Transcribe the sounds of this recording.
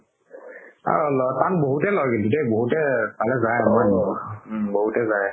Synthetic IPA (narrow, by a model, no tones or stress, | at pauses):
a̰lɔtanboɦutɛlɔjɡilutɛboɦutɛpalɛzajmɔjn | boɦutɛzaj